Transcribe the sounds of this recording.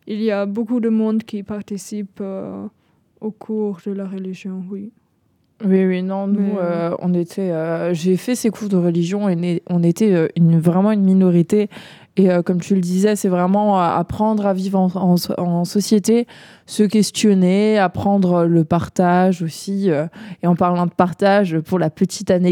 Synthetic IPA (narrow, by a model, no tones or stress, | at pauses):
iliabokud̪əmɔ̃d̪kʲipaʁt̪isipø | okʰuʁd̪əlaʁəliʒjɔ̃wi | wiwinɔ̃nuøɔ̰̃net̪ʰɛøʒefɛsekʰuʁd̪əʁəliʒjɔ̃eneɔ̃net̪ɛøynvʁɛmɑ̃ynminɔʁit̪eː | økɔmt̪ʰyləd̪izɛsɛvʁɛmɑ̃øa̰pχɑ̃d̪ʁavivʁɑ̃ɑ̃ɑ̃sɔsjet̪e | səkʲɛst̪jɔneapχɑ̃d̪ʁøləpaʁt̪aʒosiøeɑ̃paʁlɑ̃d̪əpaʁt̪aʒøpuʁlapət̪ʰit̪ane